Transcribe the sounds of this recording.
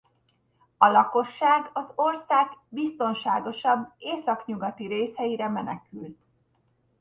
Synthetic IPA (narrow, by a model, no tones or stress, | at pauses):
ɒlɒko̞ʃːaːɡɒzo̞rsaːɡbist̪o̞nʃa̰ːɡo̞ʃɒbːeːsɒkɲuɡɒt̪iɾeːshɛjiɾɛmɛnɛkylt̪